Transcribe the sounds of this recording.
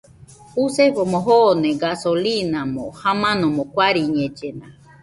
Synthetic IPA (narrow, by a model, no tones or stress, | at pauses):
useɸomõɦonẽɡasolinamõhamãnõmõkʷaɾiɲẽd͡ʒena